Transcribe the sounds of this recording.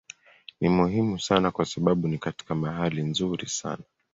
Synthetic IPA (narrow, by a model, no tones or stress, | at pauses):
nimuhimusanakwasaɓaɓunikati̥kamaɦalinzuɾisa̰na